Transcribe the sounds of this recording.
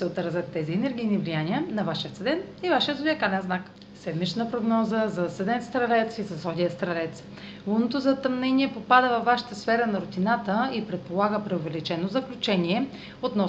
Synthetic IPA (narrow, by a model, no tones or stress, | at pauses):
sɛot̪ɾzʲət̪ːɛziɛnɛɾɡ̟ʲijnivlijaniənɐvaʃijət̪səd̪ɛnivaʃijət̪ʊd̪iɛkad̪ɛnznak | sɛd̪mit͡ʃnəpɾoɡnɔzəzɐsɛd̪ɛnst̪ɾɐlɛt̪sisɐsɔd̪ʲijəst̪ɾɐlɛt̪s | vunot̪ozɐt̪ɐmnɛnʲiɛpopad̪əvɐfːaʃi̥t̪əsfɛɾənɐɾʊt̪inat̪əipɾɛt̪̚polˠaɡəpɾɛovɛlit͡ʃɛnozɐklʲut͡ʃɛnʲiɛ | ot̪nɔ